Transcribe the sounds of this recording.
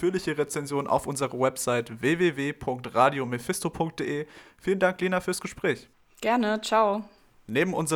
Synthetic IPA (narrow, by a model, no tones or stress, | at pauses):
fyːɐlɪçəʁet͡sɛnzjoːnənʔa̰ʊfʔʊnzəʁəwɛpz̥aɪtveːveːveːpʰʊŋk̚tʁaːdjomefɪstopʰʊŋk̚t̚d̥eːʔeːfiːləndaŋkliːnafyːɐsɡ̥əʃpʁ̥ɛːç | ɡ̥ɛɐnət͡ʃaʊ | neːbm̩ʔʊnzə